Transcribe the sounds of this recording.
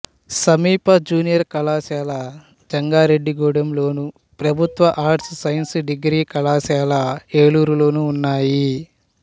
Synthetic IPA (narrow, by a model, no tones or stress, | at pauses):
sɐmiːpɐd͡ʒuːnijɐɾkɐlaːsaːlɐ | d͡ʒɐŋɡaːɾeɖːiɡuːɽɐmlo̞ːnu | pɾɐbʱut̪ʋɐʔaːʈssɐjɐnsɖiɡɾiːkɐlaːʃaːlɐeːɭuːɾulo̞ːnuːnːaːji